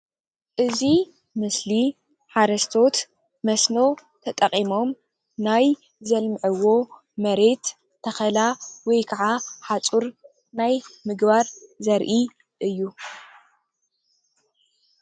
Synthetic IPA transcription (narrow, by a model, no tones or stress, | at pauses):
ʔɨzi | mɨsli | ħaɾɐst̪ʰo̞t̪ | mɐsno̞w | t̪ʰɐt̪ʼɐqʼimo̞m | naj | zɐlmʕɐwo̞ | mɐɾe̞t̪ʰː | ɐxɐlawɔjkʰaʕaħat͡sʼuɾ | najmɨɡbaɾzɐɾʔi | ʔɨjːu